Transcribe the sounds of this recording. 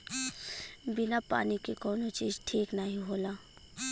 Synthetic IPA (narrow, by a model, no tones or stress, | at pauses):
bɪnapa̰ːnikekɔːnot͡ʃiːzʈʰiːknaɦĩɦoːlaː